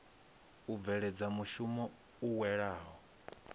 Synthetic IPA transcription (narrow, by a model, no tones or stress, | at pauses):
ub̪vɛɺɛd͡zamuʃumɔ | uwɛɺaːɦɔ